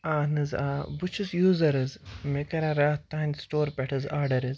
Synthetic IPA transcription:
aːnɨzaːbut͡ʃʰusjuːzɐɾɨzmekɐɾaɾaːt̪aːnʲsʈoːɾpʲɐʈʰɐzaːɾɖɐɾɨz

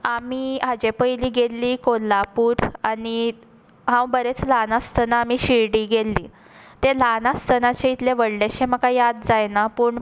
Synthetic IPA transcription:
amiɦad͡ʑepəjliːɡelːiːkolapuːɾani | ɦãwbəɾet͡slanast̪ʰənaːmiɕiɭɽiːɡelːi | t̪elanast̪ənat͡ɕeit̪leʋəɽɖeɕeməkajad̪̚d͡zajnapuɳ

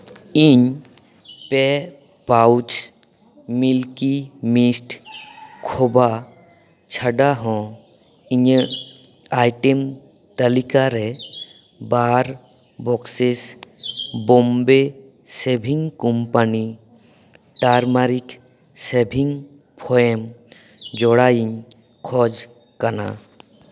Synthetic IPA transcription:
iɲ | pɛ | pawt͡ʃ | milkimisʈ | kʰoba | t͡ʃʰəɖaɦɔ̃ | iɲə | ajʈem | t̪əlikaɾɛ | baɾ | bɔkses | bɔmbe | sebʱiŋkɔmpani | ʈaɾmaɾik | sebʱiŋ | pʰɔem | d͡ʒɔɽaiɲ | kʰɔd͡ʒ | kana̰

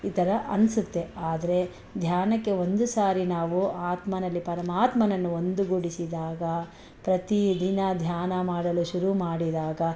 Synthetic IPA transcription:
it̪ɐɾɐʔɐ̰nsut̪ːe̞aːd̪ɐɾe̞ | d̪ʱjaːnɐkːe̞o̞nd̪usaːɾinaːʋuaːt̪mɐnɐlːipɐɾɐmaːt̪mɐnɐnːuo̞nd̪uɡuɽisid̪aːɡɐ | pɾɐt̪id̪inɐd̪ʱjaːnɐmaːɽɐluʃuɾumaːɽid̪aːɡɐ

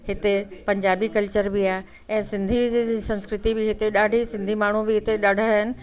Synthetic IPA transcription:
hɪt̪epɐ̃ɲd͡ʑaːbikɐlt͡ɕəɾbɪaːe | ɛ̃ːsɪ̃nd̪ʱisɐ̃nskɾɪt̪ibɪɦɪt̪eɗaːɖʱisɪ̃nd̪ʱimaːɳ̤ubɪɦɪt̪eɗaːɽ̤ʱaɦɪnɪ̆

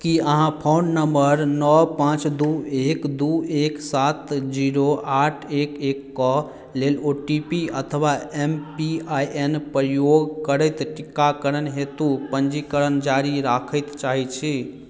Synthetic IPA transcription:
kiəɦãpʰonnəmbəɾnɔpãt͡ʃd̪uekd̪ueksat̪d͡ʒiɾoʔaʈʰekekːɔ | leloʈipiət̪ʰəʋaempiajʔenpɾəjoɡkəɾəjt̪ʈikːakəɾənɦet̪upənd͡ʒikəɾənd͡ʒaɾiɾakʰəjt̪t͡ʃaɦit͡ʃʰi

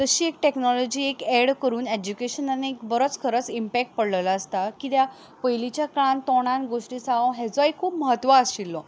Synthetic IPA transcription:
t̪əɕiːek̚ʈeknɔlɔd͡ʑiːekeɽkəɾuːned͡ʑukeɕənaniekbəɾət͡skʰəɾət͡simpɛk̚ʈ̚pəɽləlaːst̪akit̪ja | pəɦilit͡ɕjakãnt̪ɔɽ̃ãnɡoʂʈiːsaõɦɛt͡sɔikʰːuːpməɦət̪ʋaːsɕilːɔ

